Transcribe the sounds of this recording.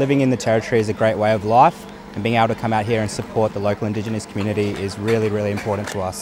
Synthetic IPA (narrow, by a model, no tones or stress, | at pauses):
lɪvɪ̃ŋɨ̃nðɨtʰɛɹɨtʰə̥˞iɨzɨɡɹeɪʔ̚weɪʌvlaɪf | ɨ̃nbiɪŋeɪbl̩ˠtʰɨkʰʌ̃maʊt̚ɦiɹɨ̃nsɨpʰɔɹt̪̚ðəloʊkl̩ˠɨ̃ndɪd͡ʒɨnɨskʰmjʉnɨɾiɪzɹɪlˠiɹɪlˠiɨ̃mpʰɔɹʔn̩tʰəʌs